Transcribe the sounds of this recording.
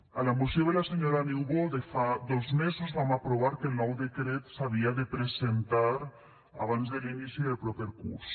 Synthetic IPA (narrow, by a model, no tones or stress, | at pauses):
alamusjoðelaseɲoɾaniwβoðefaðɔzmezuzβamapɾoβ̞aɾkelˠnɔwd̪ekɾet̪saβ̞iaðepɾezent̪aɾ | a̰β̞anzðelinisiðelpɾɔpeɾkṵɾs